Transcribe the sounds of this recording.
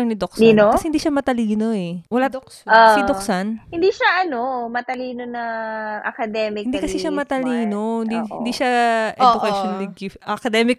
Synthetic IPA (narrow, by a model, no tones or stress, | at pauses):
ɐŋnɪd̪ok̚sd̪inokɐɛhɪnd̪iːʃamɐt̪ɐliːno̞ɛwɐlad̪ | osɪd̪oksanhɪnd̪iːʃaʔɐnomɐt̪ɐliːnonɐʔɐ̰kɐd̪ɛːmɪɪnd̪iːkɐsɛʃamɐt̪ɐliːno̞hɪnd̪ihɪnd̪iːʃaʔɛod̪ʊʔkɐʃonlɪɡɪfʔɐkɐd̪ɛmɪk̚